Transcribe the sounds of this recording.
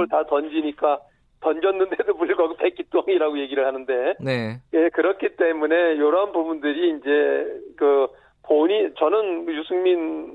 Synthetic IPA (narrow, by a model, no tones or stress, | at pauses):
ɭtatʌnd͡ʑiɲik͈a | tʌnd͡ʑʌnːɯndedopuɭɡʌɡpʰek͈̚it͈oaŋiɾaɡoje̞ɡiɾɯɭhanɯnde̞nejekɯɾʌkʰit͈e̞mune̞joɾʌɦanbubundɯɾiːnd͡ʑe̞kɯ | poɲit͡ɕʌnɯnjusʰɯŋmin